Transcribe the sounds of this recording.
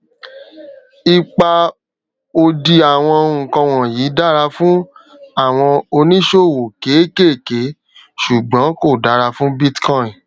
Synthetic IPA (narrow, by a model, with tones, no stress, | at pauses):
i˨k͡pa˧ | o˧di˧a˨w̃ɔ̃˧ŋ̩˨kɔ̃˧w̃ɔ̃˨jiː˨˦da˦ɾa˧fũ˦ | a˦˨w̃ɔ̃˧o˧nĩ˦ʃo˦˨wo˨ke˨˦ke˦˨ke˨˦ | ʃu˨ɡ͡bɔ̃˨˦ko˦˨da˨˦ɾa˧fũ˦bi˦tkɔ̃˦˨ĩ˨